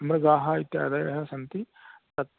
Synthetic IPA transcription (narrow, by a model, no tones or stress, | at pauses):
ɐmɾɐɡaːɦɐit̪ːja̰ːd̪ɐjɐɦɐsɐnt̪i | ɐt̪